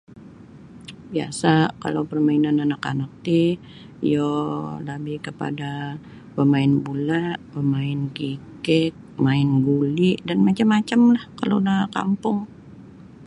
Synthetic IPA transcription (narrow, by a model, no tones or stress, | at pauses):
bia̰saka̰lawpərmainananaka̰nak̚t̪i | jolabɪhkəpa̰da | pəmaɪnbulaʔpəmaɪnkikɛt̪̚maɪnɡuliʔdanmat͡ʃamːat͡ʃamlahkalo̰daka̰mpʊŋ